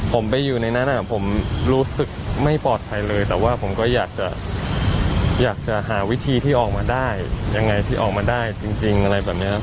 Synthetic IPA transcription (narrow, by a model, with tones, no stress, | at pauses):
pʰo˩˦mpa˧jːuː˨˩na˧jna˦˥nʔa˨˩pʰo˩˦mɾuː˦˥sɯ˨˩k̚ma˥˩jpɔː˨˩t̪̚pʰa˧jlɤː˧jt̪ɛː˨˩waː˥˩pʰo˩˦mkɔː˥˩jaː˨˩k̚t͡ɕa˨˩ | jaː˨˩k̚t͡ɕa˨˩ɦaː˩˦wi˦˥t̪ʰiː˧t̪ʰiː˥˩ʔɔː˨˩k̚maː˧daː˥˩jja˧ŋːa˧jt̪ʰiː˥˩ʔɔ̰ː˨˩k̚maː˧daː˥˩jt͡ɕi˧ŋt͡ɕi˧ŋʔa˧ɾa˧jbɛː˨˩p̚ni˦˥a˧˥